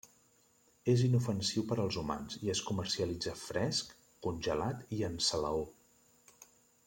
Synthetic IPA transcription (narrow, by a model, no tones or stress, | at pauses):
ezinufənsiwpəɾəlˠzuma̰nziəskuməɾsiəlid͡zəfɾɛskː | unʲʒəlat̪iənsələo